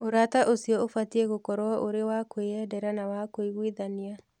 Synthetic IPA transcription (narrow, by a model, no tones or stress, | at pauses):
oɾataʔosiɔofatieɣokɔɾwɔʔoɾewakoeɛdɛɾanawakoiɣwiðania